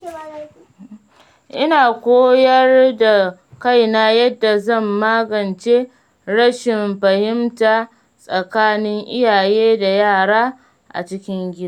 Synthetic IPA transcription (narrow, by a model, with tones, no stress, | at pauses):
ʔɪ˦naː˨kʷoː˦jɐ˦rda˨ka˦jna˦jɐ˦dːa˨zɐ˦˨mːaː˦ɡɐ˨nt͡ʃeː˦ | ɾɐ˦ʃɪ˨mɸɐ˨hɪ˦mtaː˨ | sʼɐ˨kaː˦nɪ˦ŋʔɪ˦jaː˨jeː˦da˨jaː˦˨ɽaː˦ | ʔa̰˨t͡ʃɪ˦kʲɪ˦ŋɡʲɪ˦da˨˦